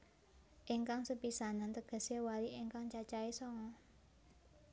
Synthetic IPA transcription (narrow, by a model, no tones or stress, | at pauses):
ʔiŋkaŋsəpisanant̪əɡ̥ə̤sewaliʔiŋkaŋt͡ʃat͡ʃaesɔŋɔ